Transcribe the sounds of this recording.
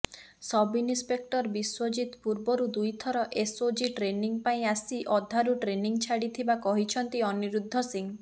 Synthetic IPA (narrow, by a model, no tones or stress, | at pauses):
sɔbinispek̚ʈɔɾbiswɔd͡ʒit̪puɾbɔɾud̪ujt̪ʰɔɾɔʔesod͡ʒiʈɾeniŋpaĩasiʔɔd̪ʱːaɾuʈɾeniŋt͡ʃʰaɽit̪ʰibakɔɦit͡ʃʰɔnt̪iɔniɾud̪ʱːɔsiŋ